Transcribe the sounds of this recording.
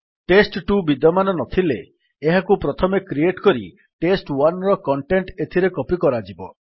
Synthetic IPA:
ʈesʈʈubid̪ɔmanɔnɔt̪ʰileː | ɦakupɾɔt̪ʰɔmekɾieʈkɔɾḭ | ʈesʈwanɾɔkɔɳʈeɳʈet̪ʰiɾekɔpikɔɾad͡ʒibɔ

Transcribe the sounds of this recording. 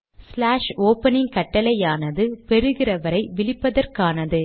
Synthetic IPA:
slaːʂoːpɐnɪŋkɐʈːɐlɐjaːnɐðɯpɛɾɯɣɪrɐʋɐɾɐɪʋɪɭɪpːɐðɐrkaːnɐðɯ

